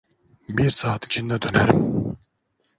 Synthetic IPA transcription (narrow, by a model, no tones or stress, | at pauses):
biɾsaːt̪i̥t͡ʃʰind̪æt̪ʰønæɾm